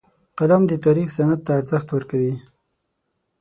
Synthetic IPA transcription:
qad̪amd̪ət̪aɾixsanat̪̚ːaːɾzəxt̪wəɾkawi

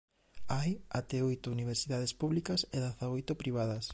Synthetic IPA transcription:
ajat̪ɛojt̪ʊuniβ̞eɾsiðað̞espuβlikɐseðaθaojt̪ʊpɾiβ̞aðɐs

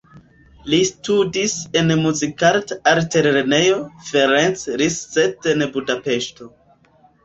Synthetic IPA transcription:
listudise̞nmuzikaɾtaɾteɾeɾenejo̞feɾent͡sɾisːetenbudape̞ʃto̞

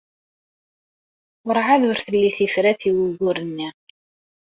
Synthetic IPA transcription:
ʊɾʕaðʊɾθəlːiθifɾæθiwuɣʊɾənːi

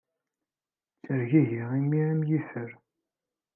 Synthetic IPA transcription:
t͡səɾʝiʝiʁimːiʕəmjifəɾ

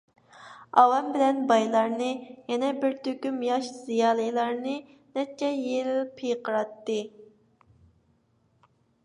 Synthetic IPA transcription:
ɑwɛmbɪlɛnbɑjlˠɑɾnɨjɛnɛbɪɾt̪ʰøkʲymjɑʃz̥ijɑːlˠɨjlˠɑɾnɨ | nɛt͡ʃʰːɛjeɾɪlpʰːejqʰəɾɑt̪ːɨ

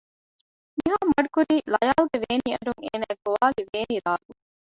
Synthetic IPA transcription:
miɦaːmɐɖukuɾiːlɐjaːluɡeʋeːniːɐɖuŋḛːnæːɡoʋaːliʋeːniɾaːlu

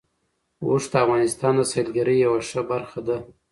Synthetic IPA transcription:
oʂd̪əafɣɑnɪst̪ɑnd̪əsɑlɡaɾəjːawaʂəbaɾxad̪a

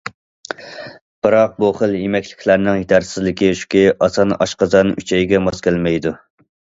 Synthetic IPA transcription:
b̥ɨɾɑq̚buχəlˠjemɛkʲlɪ̥kʲʰlæɾnɪŋjit̪ʰæɾsɪzlɪkʲiʃu̥kʲiɑsɑnɑ̰ʃqɑzɑnyt͡ʃʰɛjɡʲɛmɑskʲælmɛjd̪u

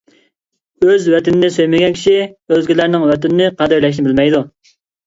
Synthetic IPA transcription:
øzwɛt̪ɪnɪnɪsøjmɪɡʲɛnkʲʰi̥ʃiøzɡʲɪlæɾnɪŋwɛt̪ɪnɪnɪqʰɑd̪øɾlɛʃ̬nɪbɪlmɛjd̪u

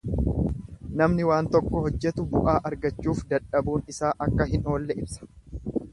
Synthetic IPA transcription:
nɐmnɪwaːnt̪ɔkːɔɦɔd͡ʒːɛt̪ʊbʊʔaːʔɐɾɡɐt͡ʃːuːfd̪ɐᶑɐbuːnɪsaːʔɐkːɐɦɪno̞ːlːɛɪbsɐ̥

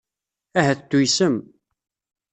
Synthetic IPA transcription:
æɦæθəd̪ːujsəm

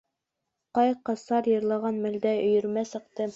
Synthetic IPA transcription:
qɑjqɑsɑɾjɤ̆ɾlˠɑʁɑnmɘ̆ld̪æɵ̆jɵ̆ɾmæsɤ̆qt̪ɤ

